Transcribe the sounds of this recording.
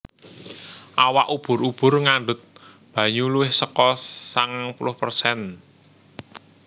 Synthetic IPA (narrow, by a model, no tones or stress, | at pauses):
ʔawaʔub̥ʊ̤ɾub̥ʊ̤rŋaɳɖʊt̪̚ | b̥ä̤ɲuluwɪhsəkɔsaŋaŋpulʊhpərsɛn